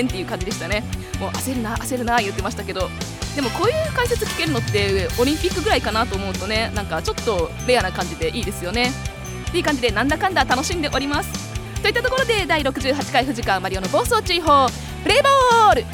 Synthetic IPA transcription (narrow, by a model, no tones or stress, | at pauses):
ẽnt̪ːe̞iɯ̟kãɲ̟d͡ʑid̪e̞ɕi̥t̪ane̞mo̞ːʔaseɾɯ̟naʔase̞ɾɯ̟naijɯ̟t̪ːe̞maɕi̥t̪ake̞d̪o̞d̪e̞mo̞ko̞ːjɯ̟ːkaise̞t͡sɨ̥kʲi̥ke̞ɾɯ̟no̞t̪ːe̞oɾʲĩmpʲikːɯ̟ɡɯ̟ɾaikanat̪o̞ːmoɯt̪o̞ne̞nãŋkat͡ɕo̞t̪ːo̞ | ɾe̞janakãɲ̟d͡ʑid̪e̞ʔiːd̪e̞sɨjo̞ne̞ | t̪ːe̞iɯ̟kãɲ̟d͡ʑid̪e̞nãnd̪akãnd̪at̪ano̞ɕĩnd̪e̞ʔo̞ɾʲimasɨ̥t̪o̞it̪ːat̪o̞ko̞ɾo̞d̪e̞d̪aiɾo̞kɯ̟ʑɨːɦat͡ɕi̥kaiɸɯ̟ʑikãmaɾʲiono̞bo̞ːso̞ːt͡ɕiɦo̞ː | ɾe̞ːbo̞ːɾɯ̟